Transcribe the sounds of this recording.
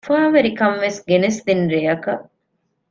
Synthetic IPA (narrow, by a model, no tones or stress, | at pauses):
faːʋeɾikɐmʋesɡenesd̪inɾejɐkɐʔ